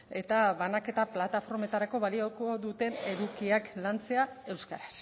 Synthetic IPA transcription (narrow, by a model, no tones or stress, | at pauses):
e̞t̪aβanake̞t̪aplat̪afo̞ɾme̞t̪aɾako̞βaliokoðut̪e̞ne̞ɾukiaklant͡se̞ae̞wskaɾas